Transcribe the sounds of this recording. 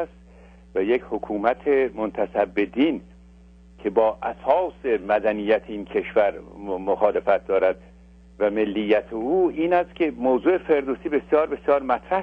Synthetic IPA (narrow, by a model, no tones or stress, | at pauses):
st̪ | væjechokʰuːmæt̪ʰe̞mont̪ʰæsæbːe̞d̪iːn | kʰe̞bɒːʔæsɒːse̞mæd̪ænijːæt̪ʰeiːnkʰe̞ʃvæɾmoxɒːle̞fæt̪̚d̪ɒːɾæd̪̚ | væme̞lːijːæt̪ʰeuːiːnæst̪kʲʰe̞moːzuːefe̞ɾd̪oːsiːbe̞sjɒːɾbe̞sjɒːɾmæt̪ʰɾæh